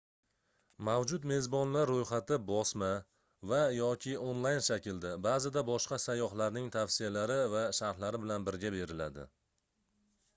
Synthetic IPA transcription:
mavd͡ʒʊt̪me̞zbɒnlaɾːojχat̪ɪbɒsma | vajɒkʲʰɪonlˠajnʃakʲɪld̪ɪbaːzɪd̪abɒʃqɑsajɒχlaɾnɪŋt̪ʰafsijalaɾɪvaʃaɾt̪laɾɪbɪlanbɪɾɡʲabe̞ɾɪlad̪ɪ̰

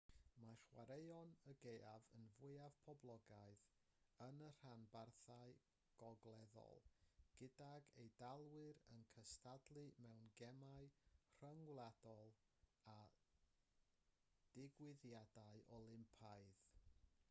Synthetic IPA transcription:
maɬwaɾejɔnəɡejavənvʊɨav̥pʰɔblˠɔɡaɨð | ənər̥anbarθaɨ | ɡ̥ɔɡlˠɛðɔ̰lˠɡ̥ɪdaɡejdalˠwɪɾənkʰəstʰadlˠɨmɛwnɡɛmaɨr̥əŋwlˠad̥ɔlˠ | a | d̥ɪɡwɪðjadaɨʔɔlˠɪmpʰaɨð

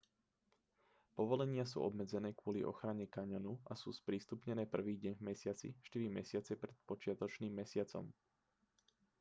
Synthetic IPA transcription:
pɔʋɔlɛɲɪas̬ṵːʔɔ̰bmɛd͡zɛnɛːkʊɔliʔɔ̰xɾaɲɛkaɲɔnuʔasṵːspɾiːst̪upɲɛnɛːpr̩ʋiːɟɛɲvmɛsɪat͡sḭʃt̪iɾimɛsɪat͡sɛpɾɛt̪̚pɔt͡ʃɪat̪ɔt͡ʃniːmːɛsɪat͡sɔ̰m

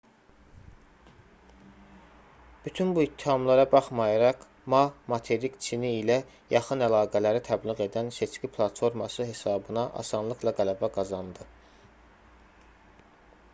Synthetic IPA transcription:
b̥yt̪ʰynbuit̪ʰːihɑmlˠɑɾɑbɑχmɑjɑɾɑq | mɑmɑt̪ʰe̞ɾikt͡ʃʰiniilæ | jɑχɯnælɑːɡælæɾit̪ʰæblˠiɣe̞d̪ænse̞t͡ʃcʲipʰlˠɑt̪fo̞ɾmɑsɯɦe̞sɑːbɯnɑʔɑ̰sɑnlˠɯklˠɑɡælæbæɡɑzɑnd̪ɯ

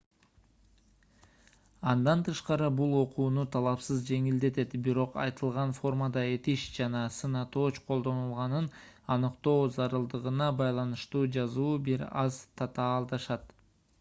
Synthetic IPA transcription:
ɑnd̪ɑnt̪ʰɯʃqɑɾɯbulˠo̞quːnut̪ʰɑlˠɑpsɯzd͡ʒe̞ŋild̪e̞t̪e̞t̪biɾo̞qɑ̰jt̪ɯlˠʁɑnfo̞rməd̪ɑe̞t̪iʃd͡ʒɑnɑsɯnɑt̪o̞ːt͡ʃqʰo̞lˠd̪o̞nulˠʁɑnɯnɑnɯqt̪o̞ːzɑɾɯlˠd̪ɯʁɯnɑbɑjlˠɑnɯʃt̪uːd͡ʒɑzuːbiɾɑzt̪ʰɑt̪ɑːlˠd̪ɑʃɑt̪

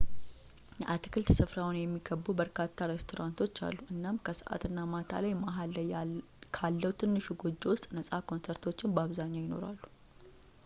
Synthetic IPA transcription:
jɛʔat̪ɨ̥kʰɨlt̪sɨfɾawnjɛmːiɡəbːubəɾkʰat̪ʰːaɾest̪ʰo̞ɾant̪ʰo̞t͡ʃːa̰lːuʔɨnːamkʰəsə̥ʔa̰t̪ʰɨnːamat̪ʰa̰lajmaɦalːaj | kʰalːəwt̪ʰɨnːɨʃuɡo̞d͡ʒːewʊst̪ʼnəsʼakʰo̞nseɾt̪ʰo̞t͡ʃːɪnbaβzaɲːajɪno̞̰ɾa̰lːu̥

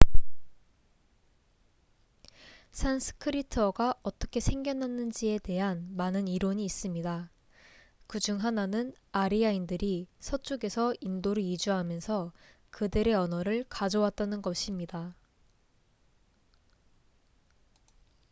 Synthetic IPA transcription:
sʰansʰɯ̥kʰɯɾitʰʌɡaʌt͈ʌ̥kʰe̞sʰeŋɡjʌnɦanːɯnd͡ʑie̞te̞ɦanmanɯniɾoɲiːs͈ɯmɲida | kɯd͡ʑuŋɦananɯn | aɾiaindɯɾisʰʌt͡ɕ͈uɡe̞sʰʌindoɾɯɭid͡ʑuɦamjʌnsʰʌ | kɯdɯɾe̞ʌnʌɾɯɭkad͡ʑowat̚t͈anɯnɡʌɕʰimɲida

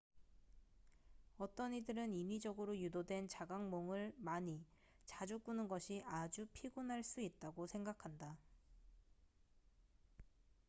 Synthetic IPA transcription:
ʌt͈ʌnidɯɾɯnimid͡ʑʌɡɯɾojudodwe̞nt͡ɕaɡaŋmoŋɯɭmaɲi | t͡ɕad͡ʑuk͈unɯnɡʌɕʰiʔad͡ʑupʰiɡunɦaɭs͈uit̚t͈aɡosʰe̞ŋɡakʰanda

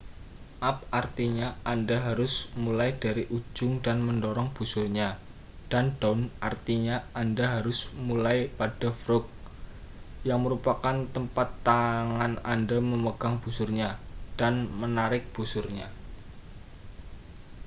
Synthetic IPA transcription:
ʔap̚art̪iɲaandaɦaɾʊsmulajdaɾiʔud͡ʒʊŋdanməndoɾɔŋb̥usʊrɲa | d̥andɔnʔart̪iɲaandaɦaɾʊsmulajpad̥afɾʊk̚ | jaŋməɾupakant̪əmpat̪ːaŋanandaməməɡ̥aŋb̥usʊrɲad̥anmənaɾɪk̚b̥usʊrɲa

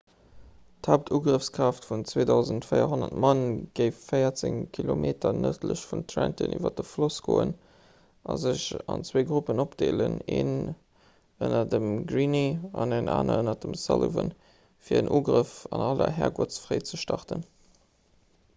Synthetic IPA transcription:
thaʊp̚tʰuːɡʁəfskʁ̥aːftfunt͡sweːdɑʊzəntfəɪɐɦonɐtmɑnɡ̥əɪfːɜɪɐt͡seŋkʰilomʔeːtɐnətʰləɕfuntʰʁæntənyːvɐdəfloskoːən | ʔɑzəɕɑnt͡sweːɡʁupənopd̥eːləneːn | ənɐdəmɡʁiniɑnenʔaːnɐənɐdəmsɑləvən | fiːɐənʔuːɡʁəfɑnɑlɐɦɛːɐɡuɐt͡sfʁəɪt͡səʃtɑʁtən

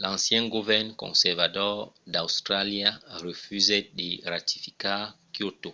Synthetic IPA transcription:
lãsjɛ̃ɡuvɛʁnkɔ̰̃sɛʁvatɔd̪aust̪ʁaljaʁəfyzɛdeɾat̪i̥fi̥kakjot̪o

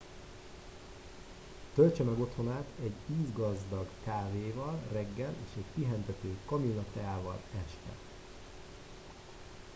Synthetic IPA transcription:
t̪ølt͡ʃɛmɛɡo̞t̪ho̞naːt̪ʰɛɟːiːzɡɒzd̪ɒɡkaːveːvɒlrɛɡːɛlḛːʃɛckiɦɛnt̪ɛt̪øːkɒminɒt̪ɛaːvɒ̰lɛʃt̪ɛ̰

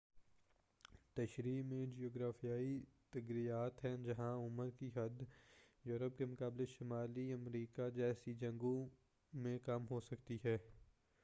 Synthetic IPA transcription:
t̪ɐʃɾiːmẽd͡ʒijoːɡɾaːfijaːit̪ɐɡɾijaːt̪ɦɛ̃d͡ʒɐɦãʊməɾkiɦɐd̪joːɾəp̚kemʊkaːbleʃɪmaːliɐmɾiːkad͡ʒɛːsid͡ʒɐ̃ŋɡõ | mẽkɐmɦosɐkt̪iɦɛː

